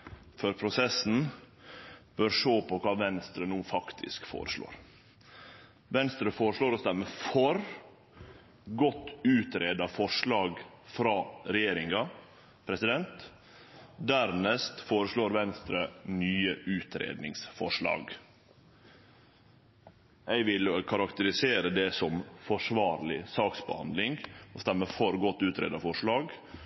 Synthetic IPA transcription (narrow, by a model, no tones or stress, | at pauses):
føːɾpʰɾʊsɛsn̩ | b̥œɾʂoːpʰɔkʰɑːʋɛnst̪ɾənuːfɑkt̪ʰɪ̰skfo̰ːɾəʂlo̰ːɾ | ʋɛnst̪ɾəfoːɾəʂɭoːɾɔsd̪æɾməfɔɾ | ɡɔt̪ːʉːt̪ɾeːd̪ɑfɔʂlɑːɡ | fɾɑːɾɛjeːɾɪŋɑ | pʰɾɛsɪd̪ɛnt̪ | d̪æɾnɛst̪foːɾəʂɭoːɾʋɛnst̪ɾənyːəʔʉːt̪ʰɾḛːd̪nɪŋsfɔʂɭɑ̰ːɡ | ɛɪʋɪlkʰɑɾɑkt̪əɾɪseːɾəd̪ɛsɔmfɔʂʋɑːɾlɪsɑːksbəhɑ̰nd̪lɪŋɔst̪ɛmːəfɔɾɡɔt̪ːʉːt̪ɾḛːd̪ɑfɔʂɭɑːɡ